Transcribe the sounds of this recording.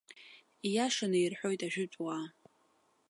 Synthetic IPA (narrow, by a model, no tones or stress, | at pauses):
ijaʂanɨirħʷᶣo̞jtʼaʒᶣʊt͡sʷʼwa